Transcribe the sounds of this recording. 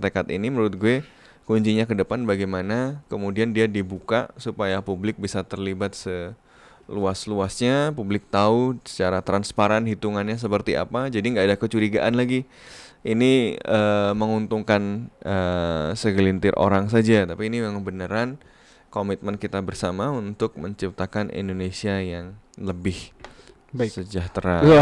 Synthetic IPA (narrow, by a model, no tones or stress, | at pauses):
t̪əkat̪inimənuɾʊt̪̚ɡue | kuɲt͡ʃiɲakədəpanbaɡajmanakəmudiandiadibuka̰supajapublɪk̚bisat̪ərlibat̪̚sə | luasluasɲapublɪk̚t̪ausə̥t͡ʃaɾat̪ɾanspaɾanɦit̪uŋanɲas̬əpərt̪iʔa̰pad͡ʒadiŋɡaːdakət͡ʃuɾiɡa̰ʔanlaɡi | iniəməŋunt̪uŋkanəsəɡlint̪ɪrʔo̰ɾaŋs̬ad͡ʒat̪apiːnimŋbənəɾan | komit̪̚mənkit̪abərsamaunt̪ʊk̚məɲt͡ʃip̚t̪akanḭndonesiajaŋləbɪh | səd͡ʒaht̪ɾa